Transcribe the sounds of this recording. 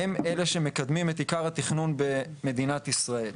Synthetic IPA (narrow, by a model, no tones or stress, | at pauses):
emeleʃe̞me̞kad̪mimet̪ikaʁhat̪iχnunbe̞me̞d̪inat̪isʁae̞l